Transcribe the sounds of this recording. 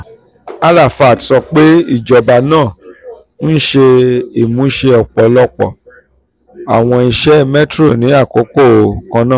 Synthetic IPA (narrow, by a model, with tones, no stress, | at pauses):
a˦la˦˨fa˨tsɔ˧k͡pe˦i˦˨d͡ʒɔ˨ba˧nãː˦˨ | n̩˦ʃe˧i˨mũ˨˦ʃe˧ɔ˨k͡pɔ˨lɔ˦k͡pɔ̰˨ | a̰˨w̃ɔ̃˧i˧ʃɛ˦mɛ˦tɾo˦˨nĩ˨˦a˦˨ko˨˦ko˦˨˧kã˧nãː˦˨